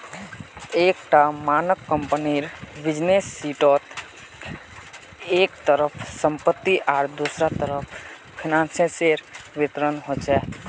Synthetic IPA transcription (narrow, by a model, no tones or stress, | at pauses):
eːkʈamaːnəkːəmpəniɾbɪd͡ʒnesːiːʈɔːt̪ | eːkt̪əɾəpʰsə̃mpət̪ːiʔaːɾd̪usɾat̪əɾəpʰ | pʰinãːnsə̃seɾʋit̪ɾənɦot͡ʃʰɛ